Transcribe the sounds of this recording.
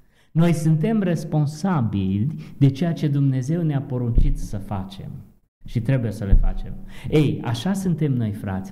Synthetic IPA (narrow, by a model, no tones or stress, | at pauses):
no̞jsɨnt̪̬e̞mre̞spo̞nsabilʲd̪e̞t͡ʃe̞jat͡ʃe̞d̪umne̞ze̞wneapo̞ɾunt͡ʃit̪səfat͡ʃe̞̰m | ʃit̪ɾe̞buje̞səle̞̰fa̰t͡ʃe̞̰me̞ja̰ʃasɨnt̪e̞mno̞jfɾa̰t̪sʲ